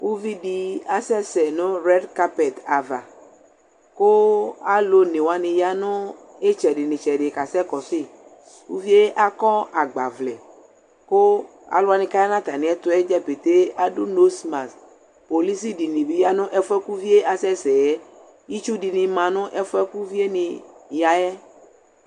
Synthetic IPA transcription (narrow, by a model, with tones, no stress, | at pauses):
wu˦vi˦ɖi˨a˨sɛ˦sɛ˨nʊ̃˦ɾɛ˦dka˦pɛ˨t̪a˨va̰˨ | ko˦a˦lo˦nẽ˨wa˨nɪ̃˨ja˦nʊ̃˦ | e˦t͡ʃɛ˨ɖɪ˨nĩ˨t͡ʃɛ˨ɖɪ˨ka˨sɛ˦kɔ˨fe˦˨ | u˦vi˦e˦ʔa˦kɔ˦a˨ɡ͡ba̰˨vlɛ˨ | ko˦ | a̰˨lʊ˦a˨nĩ˨ka˦ja˦nã˦t̪a˨nĩ˨˦ɛ˦t̪ʊ˦ɛ˦d͡ʒɛ˦pe˨t̪e˦a˨ɖu˦no˦sma˨s | po˨li˦si˦di˨nĩ˨bi˦ja˦nʊ̃˦ʔɛ˦fɛ˦ku˦vi˦e˦ʔa˨sɛ˦sɛ˨jɛ˦ | ji˦t͡ʃu˦ɖi˨nĩ˨mã˨nʊ̃˦ʔɛ˦fɛ˦ku˦vi˦e˦nĩ˨ja˨jɛ˦